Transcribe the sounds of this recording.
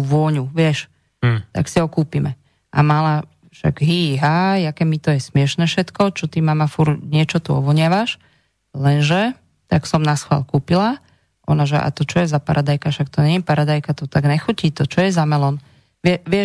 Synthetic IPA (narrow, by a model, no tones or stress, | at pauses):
uʋʊɔɲuʋɪɛʃ | t̪a̰ksiɦɔkuːpimɛ | ʔa̰mala | ʃa̰ɡɦiːɦaːjakɛmit̪ɔjɛsmɪɛʃnɛːfʃɛt̪kɔt͡ʃɔt̪imamafuɾɲɪɛt͡ʃɔt̪uɔ̰ʋɔɲɪaʋaʃ | lɛnʒɛ | t̪aksɔmnasxʋa̰lkuːpila | ʔɔ̰naʒɛʔa̰t̪ɔt͡ʃɔjɛzapa̰ɾʔad̪ajkaʃak̚t̪ɔɲɛɲɛpaɾad̪ajkat̪ɔt̪aɡnɛxuciːt̪ɔt͡ʃɔjɛzamɛlɔn | ʋɪɛʋɪɛ